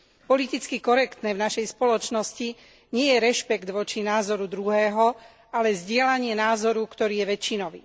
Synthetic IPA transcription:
pɔlit̪it͡skikɔɾɛkt̪nɛːvnaʃɛjspɔlɔt͡ʃnɔsci | ɲɪɛjɛɾɛʃpɛɡd̪ʋɔt͡ʃinaːzɔɾud̪ɾuɦɛːɦɔ | alɛzɟɪɛlaɲɪɛnaːzɔɾukt̪ɔɾiːjɛʋɛt͡ʃːinɔʋḭː

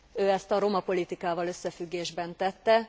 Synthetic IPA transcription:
øːɛst̪ɒɾo̞mɒpo̞lit̪ikaːvɒlø̞sːɛfyɡːeːʒbɛnt̪ɛt̪ːɛ

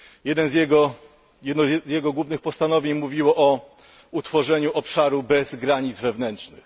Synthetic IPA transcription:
jɛd̪ɛnzjɛɡɔ | jɛd̪nɔzzjɛɡɔɡwuvnɘxpɔst̪anɔvʲjeɲmuvʲiwɔʔɔ | ut̪fɔʐɛɲuʔɔpʂaɾubɛzɡɾaɲid̪zvɛvnɛntt͡ʂnɘ̰x

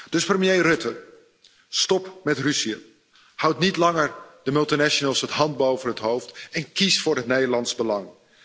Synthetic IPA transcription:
d̥ɵsprəmjejrɵtə | stɔpmɛtrysiə | hʌwtnitlɑŋəɹdəmɵlˠtinɛʃonəlˠsətɦɑnd̚bowvənɦətɦowftɛnkisfʊːɹɦətnejdəlɑnzbəlɑŋ

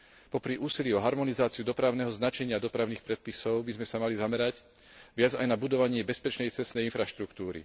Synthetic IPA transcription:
pɔpɾiʔuːsiliɔɦaɾmɔnizaːt͡siud̪ɔpɾaʊnɛɦɔznat͡ʃɛɲɪad̪ɔpɾaʊniːxpɾɛt̪̚pisɔʊbizmɛsamalizamɛɾaɟ | ʋɪad͡zajnabud̪ɔʋaɲɪɛbɛspɛt͡ʃnɛjt͡sɛst̪nɛjinfɾaʃt̪ɾukt̪uːɾḭ

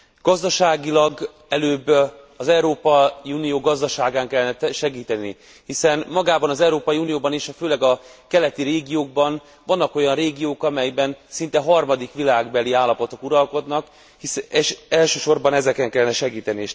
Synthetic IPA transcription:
ɡ̥ɒzd̪ɒʃaːɡilɒɡ | ɛløːbː | ɒzɛuɾoːpɒiunijoːɡɒzd̪ɒʃaːɡaːŋkɛlːɛnɛt̪ʃɛɡiːt̪ɛnḭ | hisɛnmɒɡaːbɒnɒzɛuɾoːpɒjiuːnijoːbɒneːʃɒføːlɛɡɒkɛlɛt̪iɾeːɡijoːɡ̚bɒn | vɒnːɒko̞jɒnreːɡijoːkɒmɛjɛbɛnsint̪ɛɦɒrmɒd̪ikʋilaːɡbɛliaːlːɒpo̞t̪o̞kuɾɒlko̞d̪nɒk | hiseʃɛlʃøːʃo̞rbɒnɛzɛkɛŋkɛlːɛnɛʃɛɡiːt̪ɛnieːʃ

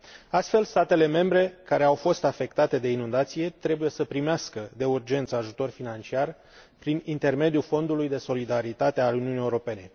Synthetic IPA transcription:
ast̪fe̞lst̪at̪e̞le̞me̞mbɾe̞kaɾe̞awfo̞st̪afe̞kt̪at̪e̞d̪e̞inund̪at̪sije̞t̪ɾe̞buje̞səpɾimeaskəd̪e̞urd͡ʒe̞nt̪səaʒut̪o̞rfinant͡ʃiar | pɾinint̪e̞rme̞d̪jufo̞nd̪ulujd̪e̞so̞lid̪aɾit̪at̪e̞aluniunijeuɾo̞pe̞ne̞

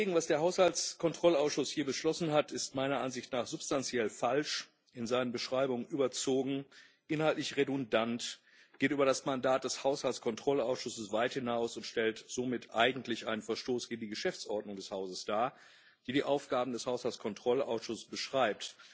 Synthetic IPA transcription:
eːɡŋ̩vasd̥eːɐɦaʊshalt͡skʰɔntʁ̥ɔlaʊsʃʊshiːɐbəʃlɔsn̩hatʰɪstmaɪnɐʔanzɪçtnaːχz̥ʊpstant͡sjɛlfalʃ | ʔɪnzaɪnənbəʃʁ̥aɪbʊŋənʔyːbɐt͡soːɡŋ̩ | ʔɪnhaltlɪçʁedʊndant | ɡ̥eːtʔyːbɐɾasmandaːt̚d̥ɛshaʊshalt͡sskʰɔntʁ̥ɔlaʊsʃʊsəsv̥aɪthɪnaʊsʊntʃtɛltz̥oːmɪtʔa̰ɪɡŋ̩tlɪçʔaɪnənfɛɐʃtoːsɡ̥eːɡŋ̩diːɡəʃɛft͡sʔɔɐdnʊŋdɛshaʊzəsd̥aːɐ | d̥iːɾiːʔaʊfɡ̥aːbm̩dɛshaʊshalt͡skʰɔntʁ̥ɔla̰ʊsʃʊssb̥əʃʁ̥aɪp̚t

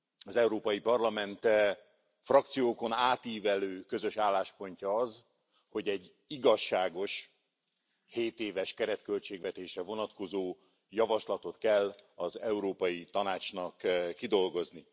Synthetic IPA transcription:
ɒzɛuɾoːpɒjipɒrlɒmɛnt̪ | frɒk̚t̪sijoːko̞naːt̪iːvɛløːkø̞zø̞ʃaːlːaːʃpo̞ɲcɒɒz | ho̞ɟɛɟː | iɡɒʃːaːɡo̞ʃ | heːt̪eːvɛʃkɛɾɛt̪kølt͡ʃeːɡvɛt̪eːʃrɛvo̞nɒt̪ko̞zoː | jɒvɒʃlɒt̪o̞t̪kɛlːɒzɛuɾoːpɒjit̪ɒnaːt͡ʃnɒkːid̪o̞lɡo̞zni

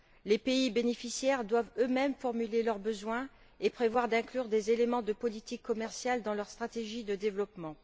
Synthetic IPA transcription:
lepeibenefisjɛʁd̪wavømɛmfɔʁmylelœʁbəzwɛ̃ | epχevwaʁd̪ɛ̃klyʁd̪ezelemɑ̃d̪əpɔlit̪ikʰːɔmɛʁsjald̪ɑ̃lœʁst̪χat̪eʒid̪əd̪evlɔpmɑ̃

